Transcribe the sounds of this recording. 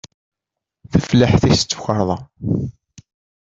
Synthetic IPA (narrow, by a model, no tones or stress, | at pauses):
θəfləħθist͡sːu̥çəɾˤðˤɑ